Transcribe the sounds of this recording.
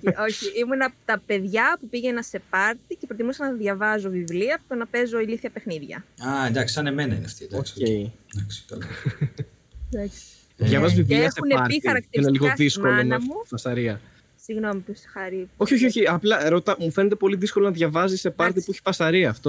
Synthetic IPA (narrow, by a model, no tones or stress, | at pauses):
o̞çiimunɐpt̪ɐpe̞ðʝɐpupiʝe̞nɐse̞pɐɾt̪icepɾot̪imusɐnɐðʝɐvɐzo̞vivliɐpo̥t̪onɐpe̞zo̞iliθiɐpexniðʝɐ̰ɐed̪ɐksisɐnemenɐḭn̰ɐft̪id̪okscejd̪ɐkst̪ol | d̪ɐks | ʝɐvɐzvivliɐseuneɐɾxɐɾɐk̚t̪iineliɣoðisko̞lonefmufɐsɐɾiɐ | siɣno̞mipusi̥xɐɾio̞çioço̞çiɐplɐɾo̞t̪ɐmufenet̪̬e̞po̞liðisko̞lonɐðʝɐvɐzise̞pɐɾt̪̬ipueçi̥fɐsɐɾiɐːft̪o̞